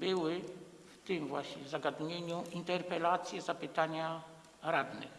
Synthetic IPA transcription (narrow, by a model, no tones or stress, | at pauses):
bɪwɪ | ft̪ɪmvwaɕɲɛzaɡad̪ɲeɲuint̪ɛɾpɛlat̪sʲjɛzapɘt̪aɲa | ɾad̪nɛ̰